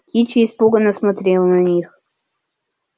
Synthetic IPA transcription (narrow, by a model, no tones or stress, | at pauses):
kʲit͡ʃɪːspuɡənːəsmɐt̪ɾʲelˠnɐnʲix